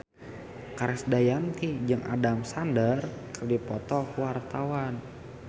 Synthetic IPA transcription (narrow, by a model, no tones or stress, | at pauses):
kaɾɛsdajamt̪id͡ʒəŋʔa̰damsandərkərdipɔt̪ɔkwart̪awan